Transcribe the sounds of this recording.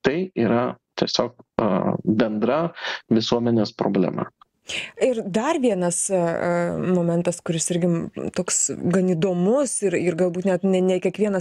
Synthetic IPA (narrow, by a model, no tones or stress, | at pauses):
t̪ɐɪiːɾɐt̪ʲiɛsʲoːk̚ | bʲɛnd̪ɾɐʋʲɪsuɔmʲɛnʲeːspɾo̰ːbʲlʲɛ̰mɐ̰ | ɪrd̪ɐrʋʲiɛnɐs | moːmʲɛnt̪ɐskʊɾʲɪsɪɾʲɡʲɪt̪oːksɡɐniːd̪oːmʊsɪɾɪrɡɐlˠbuːt̪ʲnʲɛt̪nʲɛnʲɛkʲiɛkʋʲiɛnɐs